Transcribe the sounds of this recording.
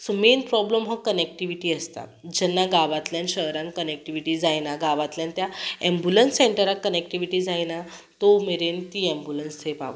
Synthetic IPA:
sumenpɾɔbləmɦəkənek̚ʈiʋiʈiːəst̪a̰d͡ʑɛnːaɡaʋat̪ljanɕəɦɾãnkənek̚ʈiʋiʈiːd͡zajnaɡaʋat̪ljant̪jaɛ̃mbjulənsːeɳʈəɾakːənekʈiʋiʈiːd͡zajna | t̪oumeɾent̪iːɛ̃mbulənsʰepa̰ʋə̰

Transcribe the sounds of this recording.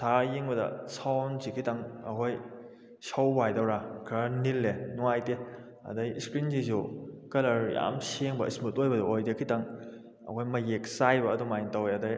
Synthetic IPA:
tʰajiŋbɐdɐ̰sʰawnzikʰitaŋɐkʰoj | sawbajdawɾakʰɾanilːenuajte | ɐ̰dajiskɾinzizukɐlɐɾja̰mseŋbɐ̰ḭsmutojbɐduojdekʰitaŋ | ɐ̰kʰojmɐjek̚sajbɐːdumajintawjɐdaj

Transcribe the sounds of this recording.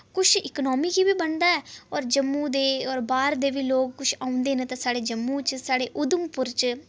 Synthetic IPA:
kʊt͡ʃʰɪknɔːmiːkiːbiːbəɳd̪aːɛːɔːɾd͡ʒəmːuːd̪eːɔːɾbaːɾd̪eːʋiːloːkːʊʃʰaːʊ̃nd̪eːnet̪ãːsaːɽeːd͡ʒəmːũːt͡ʃsaːɽeːʔʊd̪əmpʊɾt͡ʃ

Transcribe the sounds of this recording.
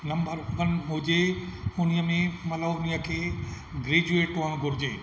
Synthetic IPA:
nɐmbəɾʋənmʊd͡ʑeʊnijəmẽmɐt̪ləbʊniəkʰeː | ɡɾeːd͡ʑueːʈoəñɡʱʊɾɪd͡ʑeː

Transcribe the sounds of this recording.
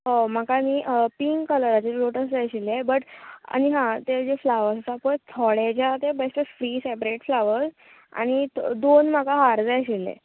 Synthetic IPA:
ɦom̤akamiːʔpiŋɡkələɾat͡ɕeloʈəsd͡zajɕilːebəʈa̰ñiɦãt̪ed͡ʑeflaʋəɾssapət̪ʰɔɭet͡ɕat̪ebest̪əsfɾisepɾeʈflaʋəɾd͡z | a̰ñid̪onm̤akaɦaɾd͡zajɕilːḛ

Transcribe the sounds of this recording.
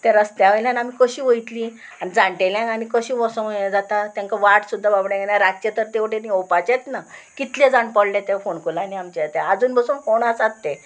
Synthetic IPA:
t̪eɾəst̪jaʋəjljãnam̤ikəɕiːʋəit̪li | anid͡zãɳʈeljãŋanikəɕiːʋɔsə̃əad͡zat̪at̪jãŋkaʋaʈsud̪ʱːababɽẽɡenaɾaɡ̚t͡ɕet̪əɾt̪eoʈeniopat͡ɕet̪nakit̪led͡zaɳpɔɽlet̪efoɳkulaniamt͡ɕet̪ead͡zuːnbəsuːnfoɳasat̪ːe

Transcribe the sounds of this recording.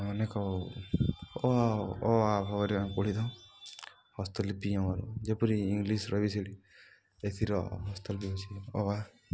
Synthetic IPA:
ɔnekɔ | ɔaɔwabʱɔβaɾiakuɽid̪ɔ̃ | hɔst̪ɔlpiãaɾṵd͡ʒepɔɾiːŋɡlisɾɔbisiɽi | et̪ʰiɾɔɦɔst̪ɔlpiɔt͡ʃʰiɔwa

